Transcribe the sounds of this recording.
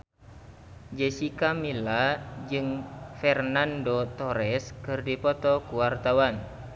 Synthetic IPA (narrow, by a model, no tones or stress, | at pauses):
d͡ʒɛsikamilad͡ʒɨŋfɛrnandot̪ɔɾɛskɨrdipɔt̪ɔkuwart̪awan